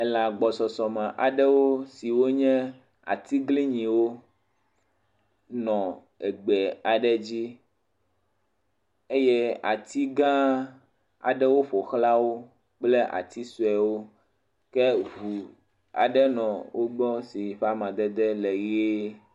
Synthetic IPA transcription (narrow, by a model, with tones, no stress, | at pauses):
ɛ˦la˨ɡ͡bɔ˨sɔ˨sɔ˨mã˨ʔa˨ɖɛ˦wo˦si˨wo˦ɲɛ̃˦ | a̰˨t̪i˦ɡli˦ɲĩ˨wo˦ | nɔ̃˨ | ɛ˨ɡ͡bɛ˨a˨ɖɛ˦d͡ʑi˦ | e˦jɛ˦a˨t̪i˦ɡã˦ | a̰˨ɖɛ˦wo˦ɸo˨xla˦wo˦ | k͡ple˦ʔa̰˨t̪i˦su˨ɛ˨wo˦ | kɛ˦βu˨ | a̰˨ɖɛ˦nɔ̃˨wʔo˦ɡ͡bɔ˦si˨ɸa˦mã˨d̪ɛ˦d̪ɛ˦lɛ˨ɣe˦